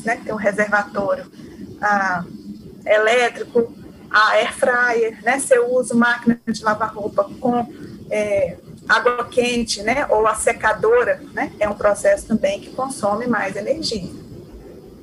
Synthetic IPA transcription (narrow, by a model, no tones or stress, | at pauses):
nɛkɪt̪ẽj̃ũɦezeɾvat̪ɔɾjʊ | a | elɛt̪ɾikʊ | aɛɾfɾajeɾnɛsɪewuzʊmakinɐd͡ʒɪlavaɦopɐkõɛ | aɡwɐkẽt͡ʃɪnɛʔowasekad̪oɾɐnɛɛũpɾɔsɛsʊ̥t̪ɐ̃mbẽj̃kɪ̥kõsõmɪmajzeneɾʒiɐ